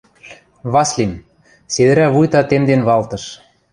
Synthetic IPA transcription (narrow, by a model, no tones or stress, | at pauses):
βɑslʲim | sed̪ɘ̆ɾæβujt̪ɑt̪emd̪enβɑlt̪ɤ̆ʃ